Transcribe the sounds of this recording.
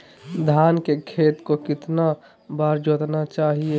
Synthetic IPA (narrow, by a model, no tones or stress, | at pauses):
d̪ʱaːnkekʰeːt̪kokɪt̪na | baːɾd͡ʒoːt̪nat͡ʃaːɦie